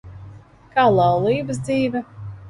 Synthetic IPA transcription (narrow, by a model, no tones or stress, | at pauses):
kaːlˠɑwlˠiːbɨs̬d̪ziːvʲɛ